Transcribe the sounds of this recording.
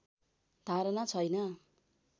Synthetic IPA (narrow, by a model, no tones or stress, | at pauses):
d̪ʱaɾʌnat͡sʰʌjnʌ